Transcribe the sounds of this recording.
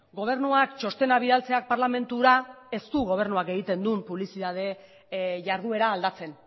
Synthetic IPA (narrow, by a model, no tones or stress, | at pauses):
ɡo̞β̞e̞ɾnuakt͡ʃo̞st̪e̞naβiðalt͡se̞ak̚paɾlame̞nt̪uɾae̞st̪uɣo̞β̞e̞ɾnuake̞ɣit̪e̞nd̪umpuβlisiðað̞e̞ | ʝaɾðue̞ɾaːld̪at͡se̞n